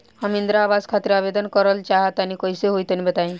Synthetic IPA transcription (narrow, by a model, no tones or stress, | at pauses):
hamind̪ɾaːbaskʰat̪iɾabed̪ɔnkɔɾɔlt͡ʃaɦat̪anikɔjseɦojt̪ɔnibət̪aĩ